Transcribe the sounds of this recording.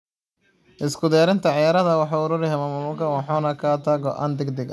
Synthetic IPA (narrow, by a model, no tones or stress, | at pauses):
ʔɪskʰʊd̪ɛːɾɪnt̪ʰɐʕɑjaːɾɐðɐwɑħɑʊɾʊɾɪɦɛmaːmʊmʊkʰɐwɑħɔːnɐkʰat̪ʰɐɡɔʔa̰ːnd̪ɛɡd̪ɛɡ